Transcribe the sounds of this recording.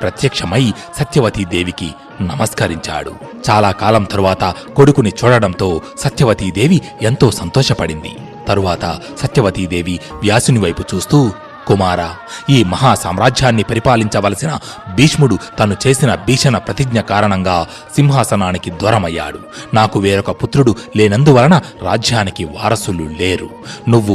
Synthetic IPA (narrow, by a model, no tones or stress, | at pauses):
pɾɐt̪jɐkʂɐmɐj | sɐt̪jɐʋɐt̪id̪e̞ːʋiki | nɐmɐskɐɾiɲt͡ʃa̰ːɽṵ | t͡ʃaːlaːkaːlɐmt̪ɐɾuʋaːt̪ɐko̞ɽukunit͡ʃuːɽɐɽɐmt̪o̞ːsɐt̪jɐʋɐt̪id̪e̞ːʋi | ent̪o̞ːsɐnt̪ɔːʂɐpɐɽind̪ḭ | t̪ɐɾuʋaːt̪ɐ̰sɐt̪jɐʋɐt̪id̪e̞ːʋiʋjaːsuniʋɐjput͡ʃuːst̪uː | kumaːɾaː | iːmɐɦaːsa̰ːmɾaːd͡ʒjaːnːipɐɾipaːliɲt͡ʃɐʋɐːlɐsinɐ | biːʂmuɽut̪ɐnut͡ʃe̞ːsinɐbiːʂɐnɐpɾɐt̪iɡɲɐkaːɾɐɳɐŋɡaː | simɦaːsɐnaːnikid̪ʋɐːɾɐmɐjːa̰ːɽu | naːkuʋeːɾɔkɐput̪ɾuɽuleːnɐnd̪uʋɐlɐnɐɾaːd͡ʒʱjaːnikiʋa̰ːɾɐsulule̞ːɾu | nuʋːu